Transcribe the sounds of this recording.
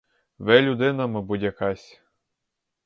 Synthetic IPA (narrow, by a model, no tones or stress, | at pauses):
ʋɛlʲʊd̪ɪnɐmɐbud̪ʲjɐkɑsʲ